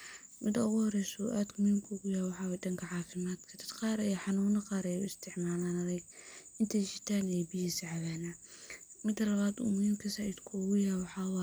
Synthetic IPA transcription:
mɪd̪ɐʊɣʊhɔɾɛjsṵːʔaːd̪mʊhiːmkʰʊʊɣʊjaːwɑħɑːwɛd̪ɐŋkʰɐʕɑːfɪmaːd̪kʰɐd̪̥ɐd̪qɑːɾɛjɔħɑnuːnɐqɑːɾɛjʊɪst̪ʰɪʕmaːlaːnɐðɛjɪnt̪ʰɛjʃɪt̪ʰaːnɛjbɪjisʕɑβaːnamɪd̪ːɐlɐβaːd̪ṵːmʊhiːmkʰɐsaːid̪kʰʊʊɣʊjawɑħɑːwɑ

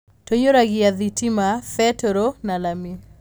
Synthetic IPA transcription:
toɲoɾaɡɪaðitimafɛtɔɾonalami

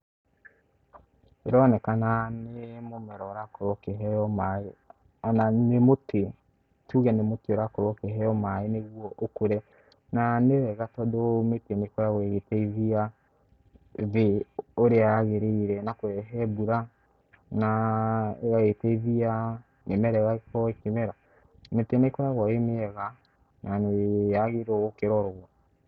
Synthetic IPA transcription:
ɾɔnɛkananemomɛɾɔɾakoɾɔkeɦɛɔmae | nanemotʰe | tuɣɛnemotioɾakoɾɔkeɦɛɔmaeneɣwɔʔokoɾɛ | nanewɛɣatɔdometɛmekɔɾawɛɣetɛiβia | βeoɾeaɣeɾeiɾɛnakwɛɦɛbuɾa | na | ɣaɣetɛiðia | nemɛɾɛɣakɔekemɛɾa | metenekɔɾaɣɔemeɛɣa | naneaɣeɾɔokeɾɔɾɔɣɔ

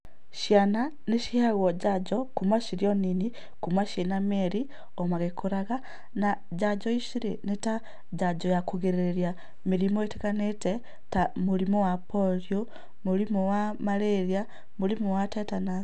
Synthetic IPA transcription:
ʃjana | neʃihaɣɔɟaɟɔkumaʃiɾjɔnini | kumaʃenameɾi | omaɣekoɾaɣa | na | ɟaɟɔiʃiɾeneta | ɟaɟɔjakuɣeɾeɾja | miɾimoetekanetɛ | tamulimowapolio | muɾimowamaleɾja | mulimowatɛtana

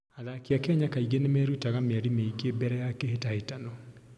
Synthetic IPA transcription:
aðakiakɛɲakaiɡenemɛɾutaɣameaɾimeiɡebɛɾɛjakehetahetanɔ

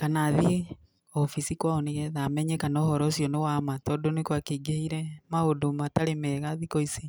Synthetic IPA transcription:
kanaði | ɔfisikwaɔneɣɛðamɛɲɛkanɔɦɔɾɔsijɔnewamatɔːdonekwakeiɡehiɾɛmaodomataɾemɛɣaðikoisi

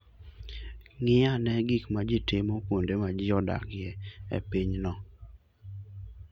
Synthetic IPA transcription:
ŋɪanɛɡikmad͡ʒɪtɪmopwondemad͡ʒɪɔda̰kɪɛḛpiɲnɔ

